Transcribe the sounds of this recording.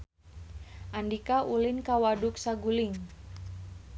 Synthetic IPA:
ʔandikaʔulɪnkawadʊk̚saɡulɪŋ

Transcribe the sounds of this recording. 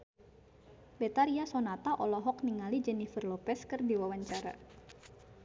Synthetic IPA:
bɛt̪aɾiasonat̪aʔɔlɔɦɔkniŋalid͡ʒɛnifərlɔpɛskɨrdiwawaɲt͡ʃaɾa̰

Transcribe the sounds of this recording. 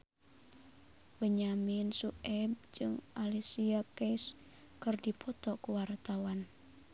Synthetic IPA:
bəɲaminsuʔɛb̚d͡ʒɨŋʔalisiakɛs | kɨrdipʰɔt̪ɔkuwart̪awan

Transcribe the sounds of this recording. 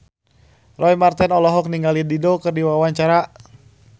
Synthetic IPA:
rɔjmart̪ɛnɔlɔɦɔk̚niŋɡalididɔkɨrdiwawaɲt͡ʃaɾa

